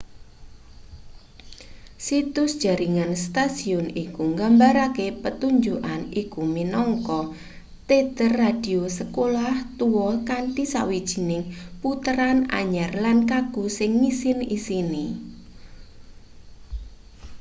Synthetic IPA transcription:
sit̪ʊsd̥ʒ̥a̤ɾiŋanst̪asiɔnikuŋɡambaɾakepət̪uɲd͡ʒuʔanikuminɔŋkɔ | t̪et̪ərːad̥i̤osəkolaht̪uwɔkaɳʈisa̰wid̥ʒ̥i̤nɪŋput̪əɾana̰ɲarlankaɡ̥usɪŋːisɪnisini

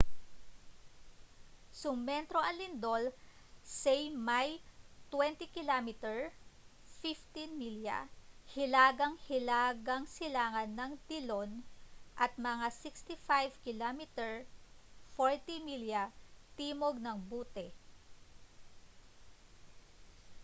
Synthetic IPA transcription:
sʊmːɛnt̪ɾoʔɐŋlɪnd̪o̞lsɛjmajt̪wɛnt̪ɪkɪlamɪt̪ɛɹ | fift̪inmilja̰hɪlaːɡɐŋhɪlaːɡɐŋsɪlaːŋɐnːɐŋd̪ɪlo̞nʔɐt̪̚mɐŋasɪkst̪ɪfajvkɪlamɪt̪ɛɹ | foɹt̪imiljat̪iːmoɡ̚nɐŋbuːt̪ɛ

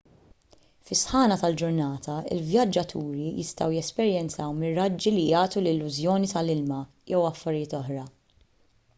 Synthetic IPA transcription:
fɪsħɐːnɐt̪ɐld͡ʒʊɾnɐːt̪ʰɐɪ̰lvjɐd͡ʒːɐt̪ʰuːɾijɪ̰st̪ɐwjɛspɛɾjɛnt͡sɐwmɪrːɐd͡ʒːilijɐːt̪ulɪlːʊzjɔːnit̪ɐlɪlmɐ | jɛwɐfːɐɾɪjɪːt̪ɔħɾɐ

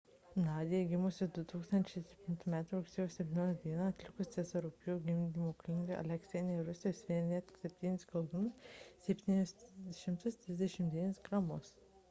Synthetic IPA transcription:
nɑːd̪ʲɪjɛɡʲɪmʊsʲɪd̪ʊt̪uːkst̪ɐnʲt͡ʃʲɛɪsʲɛpʲt̪ʲɪnt̪uːmʲæːt̪ɾuɾʊksʲɛːjosʲɛpʲt̪ʲɪnʲoːjʲɐd̪ʲiɛnɐɐt̪ʲlʲɪkʊst̪ʲɛzɐɾʊpʲjuːɡʲɪmʲd̪ʲimoːklʲɪŋɡʲeʔɐ̰lʲɛksʲɛnʲɛɾʊsʲɪjoːsʋʲinʲnʲɛt̪ʲsʲɛpʲt̪ʲiːnʲɪskɐlˠd̪ʊnʊssʲɛpʲt̪ʲiːnʲʊsʃʲɪmt̪ʊst̪ʲɾʲɪzʲd̪ʲɛʃʲɪmd̪ʲinʲɪsɡɾɑmos

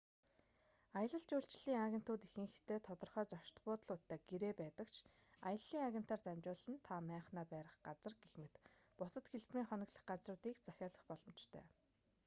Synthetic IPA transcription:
ajə̆ɮə̆ɬt͡ɕuːɬt͡ɕɮiːŋaɣʲen̥t̪ʊːt̪ixɘ̆ŋxɘt̪ʰeːt̪ʰɔt̪ɞ̆rχœːt͡sɔʃt̪pʊːt̪ə̆ɮʊt̪ːæːɡ̥eɾeːpæːt̪ə̆kt͡ɕʰ | ajə̆ɮːiːŋaɣʲen̥t̪aːrt̪æmt͡ɕʊːɮɘ̆nt̪ʰamæːɴχnaːpæːɾə̆χɢat͡sə̆rɡexmɘ̆t̪ | pʊsə̆t̪xeɮt̪miːŋχœnʲə̆kɮə̆χɢat͡srʊːt̪iːkt͡saxʲaːɮə̆χpɔɮɞ̆mt͡ɕt̪ʰœ̰ː

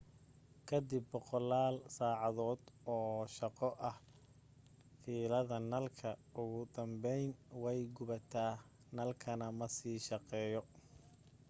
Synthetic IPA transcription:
kʰɐd̪ɪbːɔqɔlːaːlsaːʕɑðɔːd̪ɔːʃɑqɔʔɐh | fiːlɐðɐnɐlkʰɐʊɣʊd̪ɐmbɛjnwɛjɡʊβɐt̪ʰaː | nɐlkʰɐnɐmɐsiːʃɑqɛːjɔ

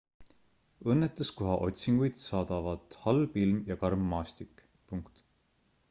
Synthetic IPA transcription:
ɤnːet̪ːˑuskoɦɑʔo̞̰t̪ʲsiŋɡ̥ujd̪̥sɑːd̪̥ɑvɑd̪̥hɑlbilmjɑkɑrmːɑːst̪ikːˑ | puŋkt̪

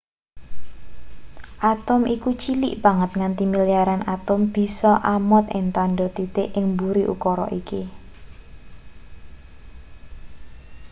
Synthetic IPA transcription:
ʔat̪ʊmʔikut͡ʃiliʔb̥a̤ŋət̪̚ŋant̪imiliaɾanʔat̪ʊmb̥i̤sɔʔamɔt̪ɪ̰ŋt̪aɳɖɔt̪it̪eʔɪŋmbuɾiʔṵkɔɾɔ̰ʔiki

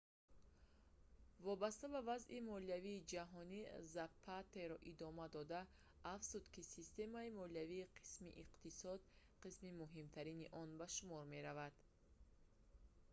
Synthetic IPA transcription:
vɔbast̪abavazʔimɔliaviːd͡ʒaɦɔnizapʰːat̪eɾɔʔid̪ɔmad̪ɔd̪aː | fz̥ud̪kisist̪e̞maimɔliaviːqʰi̥smḭʔiqt̪isɔd̪ | qismimuɦimt̪ʰaɾiniʔɔnbaʃumɔɾme̞ɾavad̪̥

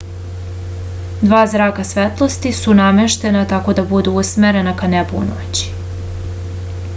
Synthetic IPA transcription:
d̪ʋaːzɾaːkasʋet̪lˠo̞st̪isunameʃt̪e̞nat̪ako̞d̪abud̪uusmeɾe̞nakanebṵːno̰t͡ɕi̥

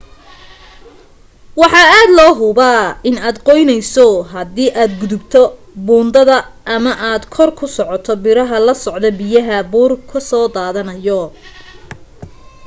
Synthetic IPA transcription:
wɑħɑːaːd̪lɔːɦʊbaːɪnaːd̪qɔjnɛjsɔɦɐdiːʔaːd̪ɡʊðʊbt̪ʰɔ | buːnd̪ɐðɐːmɐʔaːd̪kʰɔrkʰʊsɔʕɔt̪ʰɔbɪɾɐɦɐlɐsɔʕd̪ɔbɪjɐɦɐbuːrkʰɐsɔːd̪aːðɐnɐjɔ

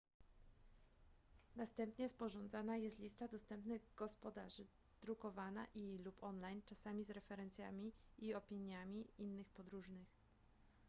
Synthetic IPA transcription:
nast̪ɛmpɲɛspɔʐɔnd̪zanajɛst̪lʲist̪ad̪ɔst̪ɛmpnɘɣɡɔspɔd̪aʐɘ | d̪̥ɾukɔvana̰ʔilupɔnlajnt͡ʂasamʲizɾɛfɛɾɛnt̪sʲjamʲiːɔpʲiɲjamʲiinːɘxpɔd̪ɾuʐnɘx

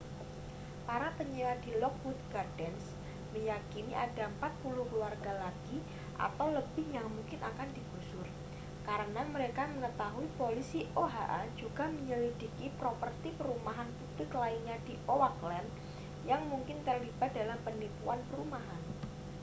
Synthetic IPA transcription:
paɾapəɲiwadilɔk̚wut̪̚ɡard̥ɛns | məjakiniʔadaəmpat̪̚pulʊhkəluarɡalaɡ̥i | ʔa̰t̪awləbɪhjaŋmuŋkɪnʔakandib̥usʊr | kaɾənaməɾekaməŋət̪aɦuipolisiʔoɦa̰ʔad͡ʒuɡ̥a̤məɲəlidikipɾopərt̪ipəɾumaɦanpub̥lɪklainɲadiʔowaklɛn | jaŋmuŋkɪnt̪ərlibat̪̚dalampənipuanpəɾumaɦan

